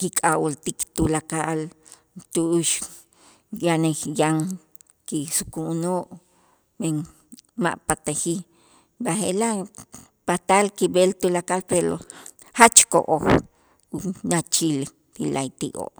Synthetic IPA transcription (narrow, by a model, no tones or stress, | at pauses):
kikʼawolt̪ikt̪ulakaʔl | t̪uʔuʃ | janejaŋ | kisukunoːʔ | meŋ | ma̰ʔpat̪axi | baxelaʔ | pat̪alkibelt̪ulakalpeɾo̰ | hat͡ʃko̰ʔoh | nat͡ʃil | ɾila̰jt̪iʔo̰ʔ